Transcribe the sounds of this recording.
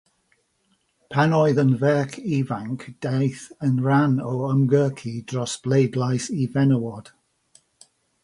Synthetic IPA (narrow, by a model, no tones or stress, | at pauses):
pʰanɔɨðənvɛːkʰiːvaŋkʰd̥ejθənɹanɔəmɡɜːkʰid̥rɔsb̥lejdlajsivɛnəwɔd̥